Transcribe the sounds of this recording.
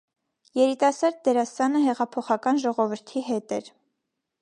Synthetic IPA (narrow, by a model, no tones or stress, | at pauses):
jɛɾit̪ɑsɑɾd̪̚ːɛɾɑsɑnəɦɛʁɑpʰɔχɑkɑnʒɔʁɔvəɾt̪ʰiɦɛt̪ɛɾ